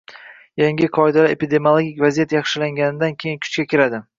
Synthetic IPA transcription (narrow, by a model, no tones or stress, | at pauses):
jaŋʲɪqʰɒɪd̪alaepid̪emolˠoɡʲikʲvazijat̪jɑχʃɪlaŋɡʲanɪd̪ankʲʰe̞jɪnkʰʊ̥t͡ʃkʲakʲʰɪɾad̪ɪ